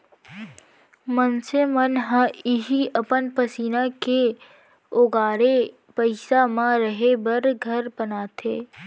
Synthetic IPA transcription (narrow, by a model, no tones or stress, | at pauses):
mənsemənɦə̃ɪɦiʔəpənpəsiːnake | oːɡaːɾe | pəɪsamãɾəɦebəɾɡʱəɾbənaːt̪ʰeː